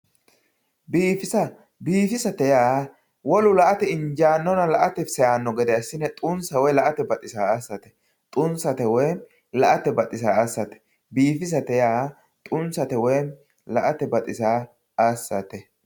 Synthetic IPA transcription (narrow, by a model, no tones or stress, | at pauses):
biːfɪsɐ | biːfɪsɐt̪ɛjaː | wɔlʊlɐʔɐt̪ɛɪnd͡ʒaːnːɔnɐlɐʔɐt̪ɛsɛjaːnːɔɡɛd̪ɛɐsːɪnɛt̪ʼʊnsɐwɔjlɐʔɐt̪ɛbɐt̪ʼɪsaːasːɐt̪ɛ̥ | t̪ʼʊnsɐt̪ɛwɛjn | lɐʔɐt̪ɛbɐt̪ʼɪs̬aːasːɐt̪ɛ̥ | biːfɪs̬ɐt̪ɛjaː | t̪ʼʊnsɐt̪ɛwɔjn | lɐʔɐt̪ɛbɐt̪ʼɪsaː | asːɐt̪ɛ